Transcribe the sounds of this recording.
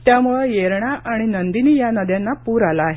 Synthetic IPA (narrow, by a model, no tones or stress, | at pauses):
t̪jamuɭejeɾɳaʔaɽ̃inənd̪iniːjanəd̪janːapuːɾalaːɦe